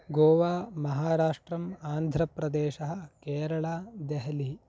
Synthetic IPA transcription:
ɡoːʋaːmɐɦaːɾaːʂʈɾɐmaːnd̪ʱɾɐpɾɐd̪ɛːʃɐɦɐ̆keːɾɐɭaːd̪ɛɦɐli

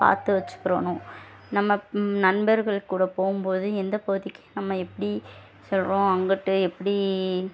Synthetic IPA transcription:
pa̰ːɾt̪ɯʋɐt͡ʃːɯ̥kːɯɾɐnʊ̃ | nɐmːɐnɐnbɐɾɣɐɭkːuːɽɐpoːɣɯmpoːðɯɛnd̪ɐpoɣɯðɪkːɯ̥nɐmːɐɛpːɐɽi | sɔlɾõːɐŋɡɐʈːɯɛpːɐɽi

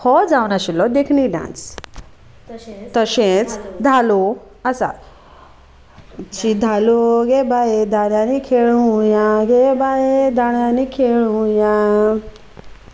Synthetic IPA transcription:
hɔd͡zawnaɕilɔd̪ekʰniɖã̰nt͡ss | t̪əɕẽt͡sd̪ʱalo | asa̰ | t͡ɕid̪ʱaloɡebajed̪ʱaɽjãnikʰeɭũjãɡebaed̪ʱaɭjanikʰeɭũjã

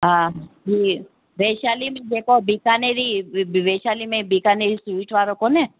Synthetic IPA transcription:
ɦãd͡ʒi | ʋeʃalimẽd͡ʒekobikaneɾiʋeʃalimẽbikaneɾisuiʈʋaɾokone

